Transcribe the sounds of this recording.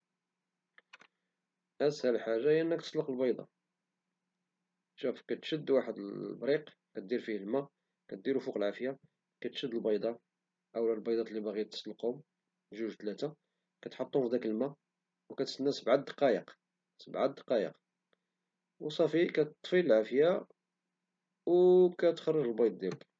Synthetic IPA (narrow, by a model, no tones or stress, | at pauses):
ʔæshæləlħaʒːajʔənːəkt̪əsləqlbɑjd̪ˤɑ̰ | ʃæfkæt̪ʃəd̪ːwaħəd̪əbɾiq | kæt̪̚d̪iɾfihəlmæ | kæt̪̚d̪iɾufuqəlʕafja | kæt̪ʃəd̪ːəlbɑjd̪ˤɑ | ʔəwlælbɑjd̪ˤɑt̪libæɣijt̪ːə̥sləqʊm | ʒuʒt̪læt̪a | kæt̪ħot̪ˤːunfd̪ækəlmæ | wkæt̪sənːæsəbʕad̪ːqɑjəq | səbʕad̪ːqɑjə̰q | wsˤɑfikæt̪ːˤfiləlʕafja | wkæt̪xɑrˤːəʒəlbɑjd̪̚ˤd̪jælək